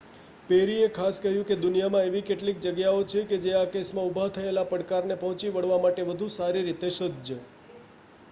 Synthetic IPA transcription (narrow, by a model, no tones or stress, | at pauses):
peɾiekʰaskəɦjũked̪ʊnijamãeʋikeʈlik̚d͡ʒəɡjaot͡ʃʰeked͡ʒeakesmãubʱat̪ʰəelapəɽkaɾnepəɦɔ̃t͡ʃiʋəɽ̤ʋamaʈeʋəd̪ʱusaɾiɾit̪eʃəd̪d͡ʒə